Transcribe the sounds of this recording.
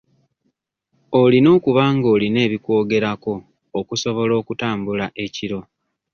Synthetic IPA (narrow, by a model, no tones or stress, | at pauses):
olino̞ːkuβaːŋɡo̞ːline̞ːβikwo̞ːɡe̞ɾako̞ː | kuso̞βo̞lo̞ːkutaːmbulaʔe̞ciɾo̞